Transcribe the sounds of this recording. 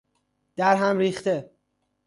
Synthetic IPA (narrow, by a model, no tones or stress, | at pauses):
d̪̥æɾɦæmɾiːxt̪e